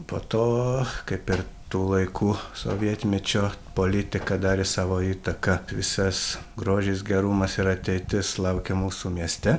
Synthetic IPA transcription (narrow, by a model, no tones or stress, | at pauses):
poːt̪oːkɐɪpɪɾt̪uːlˠɐɪkʰuːso̰ːʋʲiɛt̪ʲmʲɛt͡ʃʲoːpoːlʲɪt̪ʲɪkɐd̪ɑːɾʲɪsɑːʋoːiːt̪ɐkɐʋʲɪsɐs | ɡɾoːʒʲɛːs̬ɡʲɛɾumɐsɪɾɐt̪ʲɛɪt̪ʲɪslˠɐʊkʲɛmuːsuːmʲiɛsʲt̪ʲɛ